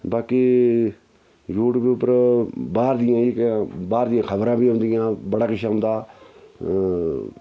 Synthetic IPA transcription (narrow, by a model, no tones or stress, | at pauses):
baːkiː | joːʈbiːʊpəɾbaːɾd̪ɪjãːekːbaːɾd̪ɪjãːkʰəbɾãːbiːɦʊ̃nd̪ɪjãːbəɽaːkɪʃaːɦʊ̃nd̪aː